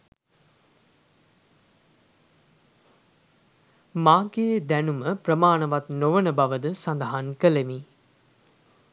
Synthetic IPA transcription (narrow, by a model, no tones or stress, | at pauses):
maːɡeːd̪ɛnuməprəmaːɳəʋat̪noʋənəbaʋəd̪əsand̪aɦankəlemi